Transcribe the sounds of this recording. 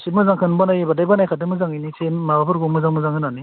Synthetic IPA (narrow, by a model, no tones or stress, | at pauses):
sit̚mɯzaŋkʰɯnbanajbadajbanajkʰadɯmɯzaŋinisenmabapʰɯɾɡɔmɯzaŋmɯzaŋʰɯnani